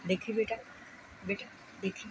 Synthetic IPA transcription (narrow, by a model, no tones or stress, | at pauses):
d̪ekʰibiʈa | biʈa | d̪ekʰːi